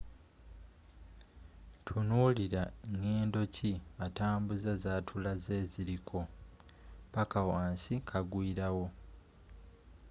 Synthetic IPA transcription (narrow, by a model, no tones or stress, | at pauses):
tʰunuːliɾaɲeːndo̞ciataːmbuzazaːtʰulazeːziɾikʰo̞ | pakawaːnsikʰaɡwiːɾawo̞